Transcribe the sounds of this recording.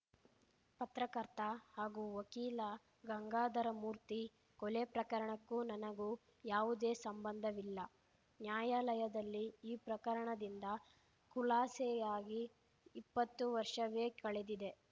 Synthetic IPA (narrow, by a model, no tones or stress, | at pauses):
pɐt̪ɾɐkɐɾt̪ɐhaːɡuːʋɐkiːlɐ | ɡɐŋɡaːd̪ɐɾɐmuːɾt̪i | kɔlepɾɐkɐɾɐɳɐkːuːnɐnɐɡu | jaːʋud̪e̞ːsɐmbɐnd̪ʱɐʋilːɐ | njaːjaːlɐjɐd̪ɐlːiːpɾɐkɐɾɐɳɐd̪ind̪ɐ | kulaːsɛjaːɡiː | pːɐt̪ːuʋɐɾʂɐʋeːkɐɭed̪id̪e̞